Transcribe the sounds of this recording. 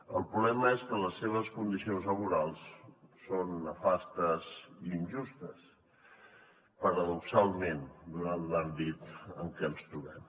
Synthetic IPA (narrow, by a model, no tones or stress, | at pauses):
əlˠpɾuβlɛməeskələsːeβ̞əskund̪isionzləβ̞uɾalˠsːonːəfast̪əziːnʒust̪əs | pəɾəðuksalˠmend̪uanːambit̪ə̰ŋkɛəlˠst̪ɾuβɛm